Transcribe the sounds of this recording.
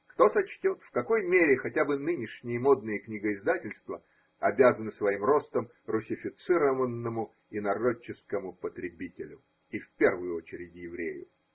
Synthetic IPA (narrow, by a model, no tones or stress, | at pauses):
kt̪o̞sɐt͡ɕtʲo̞t̪fkɐko̞jmʲeɾʲɪxɐtʲabɨnɨnʲɪʂnʲɪjəmo̞d̪nɨjəknʲiɡəɪzd̪atʲɪlʲst̪və | ɐbʲazənɨsvɐimro̞st̪əm | rʊsʲɪfʲɪt̪sɨɾəvənːəmʊ | ɪnɐro̞t͡ɕːɪskəmʊpət̪ɾʲɪbʲitʲɪlʲʊ | ifʲpʲe̞rvɨjʊot͡ɕɪɾʲɪtʲjɪvɾʲḛjʊ̰